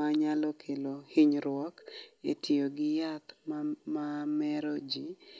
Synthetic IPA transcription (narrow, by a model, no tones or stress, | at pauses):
aɲalɔkʰelohiɲɾwɔketʰioɡɪjat̪mmamɛɾod͡ʒi